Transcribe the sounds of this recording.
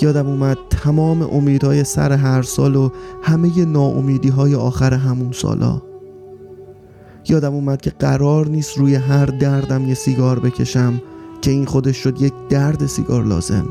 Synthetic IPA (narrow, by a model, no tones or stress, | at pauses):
jɒːd̪æmuːmæd̪̥̚t̪ʰæmɒːme̞̰ʔomiːd̪hɒːje̞sæ̰ɾe̞ɦæɾsɒːlohæme̞je̞nɒːʔo̰miːd̪iːɦɒːjeɒːxæɾe̞ɦæmunsɒ̰ːlɒ̰ː | jɒːd̪æmuːmæd̪̥̚cʰe̞ɢæɾɒːɾniːst̪ɾuːjeɦæɾd̪æɾd̪æmjesiɡɒːɾbe̞cʰe̞̰ʃæmcʰe̞iːnxo̞d̪eʃːo̞d̪je̞cʰd̪æɾd̪e̞sḭɡɒ̰ːɾlɒ̰ːz̥e̞̰m